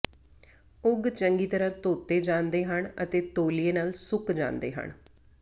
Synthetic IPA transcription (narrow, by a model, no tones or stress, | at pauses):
ʊɡt͡ʃəŋɡiːt̪əɾãːt̪oːt̪eːd͡ʒãːnd̪eːɦəɳət̪eːt̪oːlieːnaːlsʊkd͡ʒã̰ːnd̪ḛːɦə̰ɳ